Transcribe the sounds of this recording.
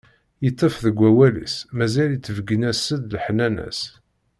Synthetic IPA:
jət̪ˤːəfðəɡʷːæwælḭsmæzælit͡sːəvɡənæsəd̪lħnænæ̰s

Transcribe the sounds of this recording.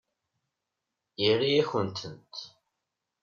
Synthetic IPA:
jiriæçənt̪ʰənt̪

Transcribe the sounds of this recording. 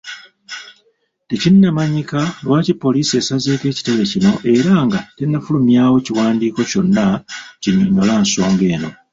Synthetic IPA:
te̞cinːamaɲikalwaːcipːo̞liːsie̞ːsazeːke̞ːci̥te̞βe̞cino̞ʔe̞ɾaŋɡatenːafulumjaːwo̞ciwaːndiːko̞co̞nːaciɲːoɲːolaːnso̞ːmɡe̞ːno̞̰

